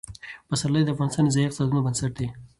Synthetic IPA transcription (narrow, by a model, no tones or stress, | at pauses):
pasalːajd̪əafɣɑnɪst̪ɑnezaiq̪̚sɑd̪unobənsaʈ̚d̪e